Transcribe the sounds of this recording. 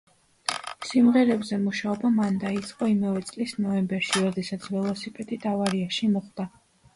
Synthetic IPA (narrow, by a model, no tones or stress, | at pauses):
simʁɛɾɛbzɛmuʃaɔbamand̪ait̪sʼqʼɔimavɛt̪sʼlisnɔɛmbɛɾʃiɾɔd̪ɛsat̪sʰvɛlˠɔsipʼɛt̪ʼid̪avaɾiaʃimɔχd̪̥a